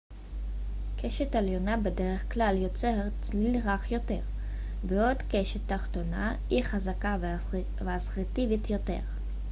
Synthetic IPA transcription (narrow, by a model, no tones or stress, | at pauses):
kʰeʃetaljo̞nabedeʁeχklaljo̞t͡seʁ | lilʁaχjo̞te̞ʁ | beodkeʃetːaχto̞na̰hiχazakav | veasʁitivitjo̞te̞̰ʁ